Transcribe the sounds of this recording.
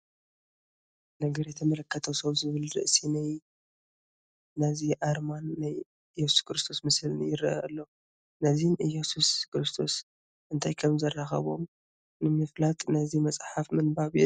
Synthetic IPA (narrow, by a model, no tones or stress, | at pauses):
nɐɡɐɾjɛt̪ʰɐmɐlɐkʰːɐt̪ʰɐwsɐβzɨβɨlɾɨ̰ʔsinaj | naziʔaɾmanːaj | jɛsu̥skɾɨst̪ʰo̞smɨsɨljɪɾɐʔɐ̰lːo̞ | nɐzinjesuskɾɨst̪ʰo̞s | ʔɨnt̪ʰajkʰɐmzɐrːaxɐ̰βo̞̰m | nɨmɨflat̪ʰʼnɐzimɐt͡sʼħafmɨnbaβj